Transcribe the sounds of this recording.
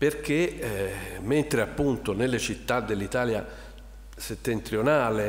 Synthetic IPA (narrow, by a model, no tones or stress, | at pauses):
perk̟e | ment̪ɾeapːunt̪onelːet͡ʃit̪ːad̪ːelːit̪aːlja | set̪ːent̪ɾjonaːle